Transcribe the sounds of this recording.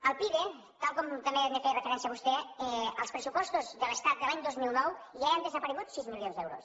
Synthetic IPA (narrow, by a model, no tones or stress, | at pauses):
əlˠpiðe | t̪alˠkɔmt̪əmemefejrefeɾɛnsjiaβust̪ɛəlˠspɾəsupɔst̪ozðələst̪at̪̚d̪əlaɲd̪ozmilˠnɔwʒaeənd̪əzəpəɾəɣ̞ut̪sizmiljonzd̪ɛwɾos